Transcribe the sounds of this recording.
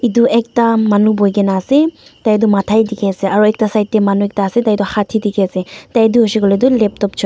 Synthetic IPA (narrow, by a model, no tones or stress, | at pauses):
iduʔɛk̚tamanubɔjɡɛnaːsɛtajdɔmatʰajdikʰɛasɛaɹuɛk̚tasajt̚ːɛmanuɛk̚taːsɛtajdɔhatʰidikʰɛasɛtajduɦɔsiɡɔlɛdɔlɛp̚tɔp̚t͡ʃʰɔ